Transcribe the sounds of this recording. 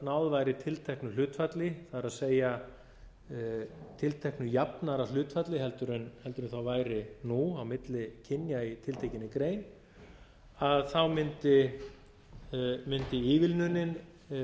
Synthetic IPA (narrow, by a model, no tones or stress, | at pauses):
nawðvaːjɾɪt̪ʰɪlt̪ʰɛhknʏl̥ʏːt̪fat̪lɪθaðɾaðseːja | t̪ʰɪlt̪ʰɛhknʏjapnaɾal̥ʏːt̪fat̪lɪɦɛlt̪ʏɾʏnhɛlt̪ʏɾʏnθawvaːjɾɪnuawmɪt̪lɪcʰɪnjait̪ʰɪlt̪ʰejcɪnːɪkɾeːjn | aðθawmɪnt̪ɪ | mʏnt̪ɪiːvɪlnʏnɪn